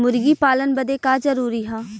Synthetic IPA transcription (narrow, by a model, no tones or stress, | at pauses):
mʊɾɡiːpaːlənbəd̪eːkaːzəɾuːɾiːɦãː